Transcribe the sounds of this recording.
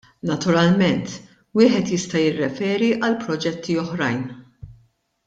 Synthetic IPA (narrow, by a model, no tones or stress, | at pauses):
nɐt̪ʊɾɐlmɛnt̪ | wɪːħɛt̪jɪst̪ɐjɪrːɛfɛːɾiʔɐlpɾɔd͡ʒɛt̪ʰːiɔħɾɐjn